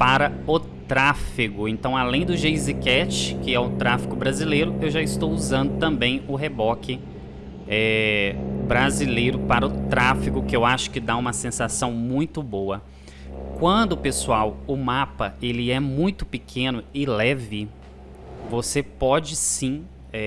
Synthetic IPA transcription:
paɾɐʊ | t̪ɾafiɡʊẽnt̪ɐ̃w̃alẽj̃d̪ʊʒejzikɛt͡ʃɪkɪɛʊt̪ɾafi̥kʊbɾazilejɾʊewʒaɪst̪owuzɐ̃nd̪ʊt̪ɐ̃mbẽj̃ʊɦebɔkɪ | ɛ | bɾazilejɾʊpaɾɐʊt̪ɾafikʊkɪewaʃʊ̥kɪd̪aũmɐsẽsasɐ̃w̃mũj̃t̪ʊbowɐ | kwɐ̃d̪ʊpesuawʊmapɐelɪɛmũj̃t̪ʊ̥pɪkʰẽnʊɪlɛvɪ | vosepɔd͡ʒɪsĩ | ɛ

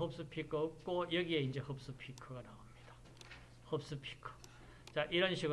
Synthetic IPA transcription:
ɦop̚s͈ɯpʰikʰoɯk̚k͈ojʌɡie̞ind͡ʑe̞hop̚s͈ɯpʰikʰɯɡanaomɲid̥ḁ | hʌp̚s͈ɯpʰi̥kʰɯ̥ | t͡ɕaʔiɾʌnɕʰiɡ

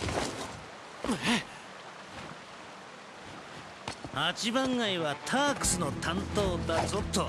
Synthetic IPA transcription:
e | at͡ɕibãŋɡaiβat̪ʰaːkɯ̟̥sɨno̞t̪ʰãnt̪oːd̪azot̪ːo

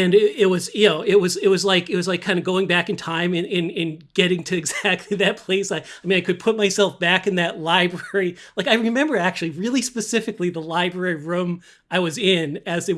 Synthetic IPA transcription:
ɨ̃nɪɪt̚wʌzjɨnoʊɪt̚wʌzɪt̚wʌzlaɪkɨt̚wʌzlaɪkʰãɪ̃ndɨɡoʊɪ̃ŋbækɨ̃n̩tʰãɪ̃mɨ̃nɨ̃nɨ̃nɡ̥ɛɾɪ̃ŋtʰɨɨɡzæk̚tʰˡliðɨt̚pʰl̥eɪsaɪaɪmĩnaɪkɨd̚pʰʊt̚maɪsɛlˠfb̥ækɨ̃nðɨtˡlaɪbɹɛɹilaɪkaɪɹɨmɛ̃mbə˞æk̚t͡ʃʉl̩ˠiɹɪlˠispɨsɪfɨkliðəlaɪbɹɛɹiɹũm | aɪwʌzɪ̃nɨzɨ

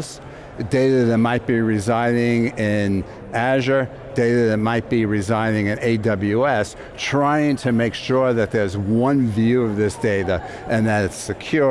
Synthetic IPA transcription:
s | d̥eɪɾɨðɨt̚maɪt̚b̥iɹɨzãɪ̃nɪ̃ŋɪ̃n | æʒə˞ | d̥eɪɾɨðɨt̚maɪt̚b̥iɹɨzãɪ̃nɪ̃ŋɨ̃neɪdʌbl̩ˠjuɛs | tʰɹ̥aɪɪ̃ŋtʰɨmeɪkʃʊɹðɨt̪̚ðə˞zwʌ̃nvjʉʌvðɪsd̥eɪɾə | ʔɨ̃nðɨɾɨtsɨkʰj̥ʊ

